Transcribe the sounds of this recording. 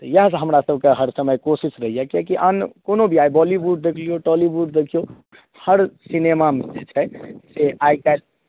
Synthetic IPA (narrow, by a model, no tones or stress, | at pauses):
t̪ɔjəɦsɦəmɾasəbʱkeɦəɾsəməjkosisɾəɦijɛkekiʔənkonobʱiajbɔlibuɖd̪ekʰlijoʈɔliʋuɖ̚d̪ekʰijo | həɾsinemamed͡ʒḛt͡ʃʰɛseʔajkad̪̚